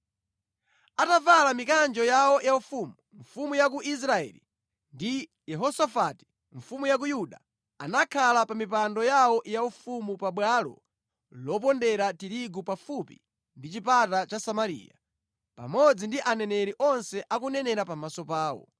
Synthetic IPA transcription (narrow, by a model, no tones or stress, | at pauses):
atavalamikand͡ʒɔjawɔjaufuːmuɱfumujak̬uʔis̬ɾaɛ̰lḭ | ndi | jɛɦɔsafati̥ | ɱfumujak̬ujuɗa | a̰nakʰalapamip̬andɔjawɔjaufumupaɓwalɔ̰ | lɔp̬ɔndɛɾatiɾiɡupafupḭ | ndit͡ʃipatat͡ʃasamaɾḭːja̰ | pa̰mɔd͡zindiʔanɛnɛɾiʔɔnsɛʔakunɛnɛɾapamasɔpaːwɔ̰